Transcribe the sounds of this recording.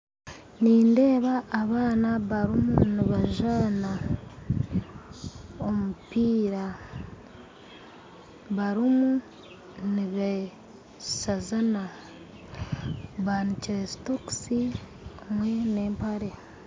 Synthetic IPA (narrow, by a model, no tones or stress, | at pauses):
niːnde̞ːβaːβaːnaβaɾimuniβaʒana | omupiːɾa | βaɾimu | niβe | sazana | βaniciɾesi̥toksi | mwe̞ne̞ːmpaɾe̞